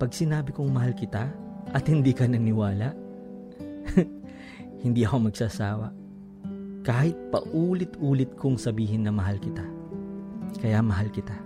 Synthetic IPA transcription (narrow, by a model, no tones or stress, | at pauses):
pɐɡ̚sɪnaːbɪkʊŋmɐɦalkɪt̪a | ʔɐt̪hɪnd̪iːkɐnɐnɪwaːlaʔ | hɪnd̪iʔɐkomɐɡ̚sasaːwɐ̰ | kaːhɪt̪̚pɐ̰ʔuːlɪt̪ʔuːlɪt̪̚kʰʊŋsɐbiːɦɪnːɐmɐɦalkɪt̪a | kɐjamɐɦalkɪt̪a